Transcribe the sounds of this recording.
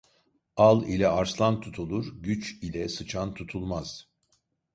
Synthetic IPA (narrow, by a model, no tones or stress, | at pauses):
alˠilʲɛaɾslˠant̪ʰut̪ʰulˠuɾɟyt͡ʃilʲɛsɯt͡ʃʰant̪ʰut̪ʰulˠmaz̥